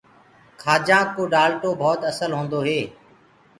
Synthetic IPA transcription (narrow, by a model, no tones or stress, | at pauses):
kʰaːd͡ʒãːkoːɖaːlʈoːbʱɔːt̪əsəlɦõːnd̪oːɦeː